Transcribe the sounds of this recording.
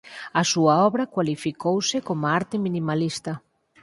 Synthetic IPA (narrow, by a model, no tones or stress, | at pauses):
asuaɔβɾakwalifikowsɪkomoaɾt̪ɪmĩnimalist̪ɐ